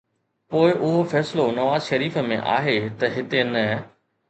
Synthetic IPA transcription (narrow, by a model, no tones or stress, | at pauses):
poːɪʔʊɦofɛːsɪlonɐʋaːzʃɐɾiːfəmḛ̃ʔa̰ːɦet̪ɐɦɪt̪enɐ